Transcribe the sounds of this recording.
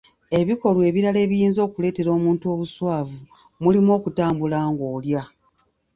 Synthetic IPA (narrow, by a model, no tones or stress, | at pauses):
e̞βiko̞lwe̞ːβiɾale̞ːβijiːnzo̞ːkule̞ːte̞ɾo̞ːmuːntuo̞ːβuswaːvu | mulimo̞ːkutaːmbulaːŋɡo̞ːlja